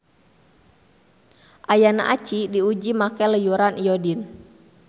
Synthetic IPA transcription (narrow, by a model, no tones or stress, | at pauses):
ʔajana̰ʔat͡ʃidiud͡ʒimakɛləjuɾanijɔdin